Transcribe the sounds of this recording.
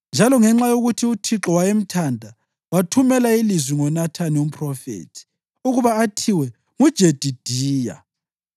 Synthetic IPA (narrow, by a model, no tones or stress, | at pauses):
nd͡ʒʱalɔŋɛŋ͡ǁajoɣutʰiutʰiǁɔwajem̩tʰandʱa | watʰumɛlailizwiŋɔnatʰanium̩pʰʼrɔfḛːtʰi̥ | uɣuβaːtʰiwɛ | ŋud̥ʒ̥ʱed̥ʱid̥ʱiːja̰